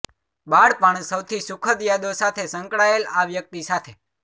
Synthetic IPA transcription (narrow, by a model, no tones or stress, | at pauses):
baɽpaɳ̃səwt̪ʰisʊkʰəd̪jad̪osat̪ʰesə̃ŋkɽaelaʋjək̚t̪isat̪ʰe